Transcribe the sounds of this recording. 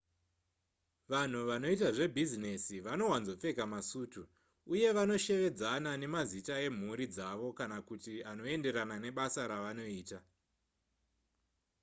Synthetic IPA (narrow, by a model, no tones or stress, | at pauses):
ʋan̤uʋano̞itaʐe̞bʱizinesiʋano̞wanzo̞p͡fe̞kamasuːtu | uje̞ʋano̞ʃe̞ʋe̞d͡zanane̞mazitae̞m̤uɾid͡zaʋo̞kanakutiano̞ende̞ɾanane̞ɓasaɾaʋano̞iːta